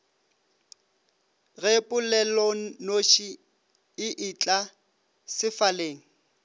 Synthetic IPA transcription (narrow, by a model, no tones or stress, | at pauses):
ɣepʼʊlɛlɔnoʃi | ɪʔɪt͡ɬʼa | sɪfaleːŋ̩